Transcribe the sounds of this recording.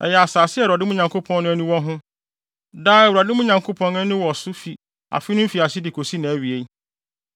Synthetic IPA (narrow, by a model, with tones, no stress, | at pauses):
ɛ̰˨jɛ˨a˨saː˨sɪ˦ɛ˦˨a˨dɪ˦mũ˦ɲã˨ŋkʰo˦pʰɔ̃˦n˦nʊ̃˦æ˦nũ˦wɔ˦ɦʊ̃˦ | daː˦ɛ˨wu˨a˨dɪ˦mʊ̃˦ɲã˨ŋkʰo˦pʰɔ̃˦nʊ̃˦æ˦nũ˦wɔ˨sʊ˦fi˨ | a̰˨fɪ˦nʊ̃˦m̩˦fi˨a˨sɪ˦dɪ˨kʰo˨si˦nã˨æ˨ɥi˨e˨˦